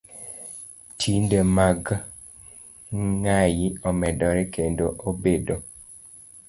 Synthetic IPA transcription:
tʰindemaɡ | ŋajiɔmɛdɔɾɛkendoʔobedo

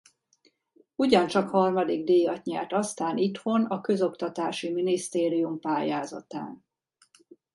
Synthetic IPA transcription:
uɟɒnt͡ʃɒkhɒrmɒd̪iɡd̪eːjɒtɲa̰ːt̪ɒst̪aːnit̪ho̞nɒkø̞zo̞kt̪ɒt̪aːʃiminist̪eːɾijumpaːjaːzɒ̰t̪a̰ːn

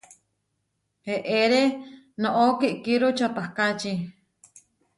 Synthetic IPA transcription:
heʔeɾe | noʔokiʔkiɾot͡ʃapahkat͡ʃi

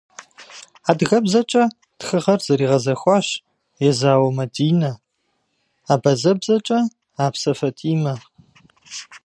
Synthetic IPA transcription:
aːdɣɐbzɐt͡ʃʼɐ | txɨʁɐrzɐɾiːʁɐzɐxʷɑːɕ | jɛzaːwɐmɐdiːnɐ | aːbɐzɐbzɐt͡ʃʼɐ | aːpsɐfɐtʼiːmɐ

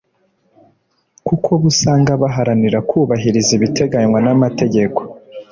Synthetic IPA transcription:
kukʰo̞βusaːŋɡaβaɦaɾaniɾakʰuːβaɦiɾiziβitʰe̞ɡaɲwanamate̞ɟe̞ko̞̥

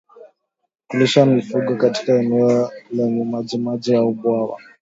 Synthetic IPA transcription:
kuliʃamifuɡɔkati̥kaɛnɛɔlaɲumad͡ʒimad͡ʒijaubwawa̰

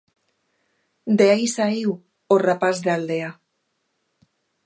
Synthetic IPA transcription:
d̪eajsaiw | orapazðald̪ea

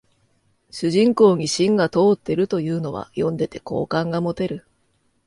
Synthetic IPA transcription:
ɕɨʑĩŋko̞ːɲ̟iɕĩŋɡat̪o̞ːt̪ːe̞ɾɯ̟t̪o̞jɯ̟ːno̞βa̰jõ̞nd̪e̞t̪e̞̥ko̞̰ːkãŋɡamo̞t̪e̞ɾɯ̟

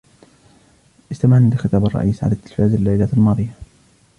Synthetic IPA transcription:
ʔɪst̪amaʕnlɪxɪt̪aːbɑrˤːɑ̰ʔiːsʕa̰lat̪ːɪlfaːzalːajlaːt̪almɑːðˤɪjːa

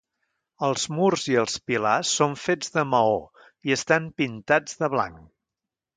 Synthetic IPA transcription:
əlˠzmurziəlˠspilasːoɱfed͡zðəməo | iəst̪ampint̪ad͡zðəβla̰ŋ

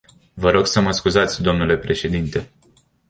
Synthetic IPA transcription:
vəɾo̞ɡsəməskuzat̪sʲd̪o̞mnule̞pɾe̞ʃe̞d̪int̪e̞

